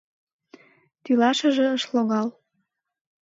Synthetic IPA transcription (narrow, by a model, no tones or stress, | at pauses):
t̪ylɑʃə̆ʒĕəʃloɣɑl